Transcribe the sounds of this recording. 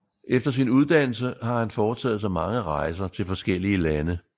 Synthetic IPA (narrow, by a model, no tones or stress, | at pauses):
ʔefd̥ɐsinuð̞ˠd̥æn̰l̩səhɑ̈hænfɒːt͡sʰɛ̰ːð̩ˠs̬ɑ̈ɪmɑ̈ŋəʁɑ̈ɪs̬ɐt͡sʰe̝lfɒ̽sɡ̥el̰iəlænə